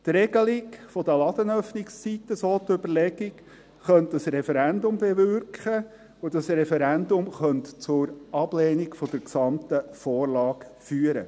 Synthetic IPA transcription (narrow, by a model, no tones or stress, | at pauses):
t̪ɾɛɡ̥əlɪkfɔd̥̪əlɑd̪̥ənœfnɪkst͡sit̪ːəsoːt̪ʏbəɾlɛɡik | χœntd̥ɑsɾɛfɛɾændʊmbevʏɾkχə | ʊdɑsɾɛfɛɾændʊmχœntt͡sʊɾɑb̥leːnikfɔd̥̪əɾksɑmt̪əfɔːrlɑːkfyːəɾə̰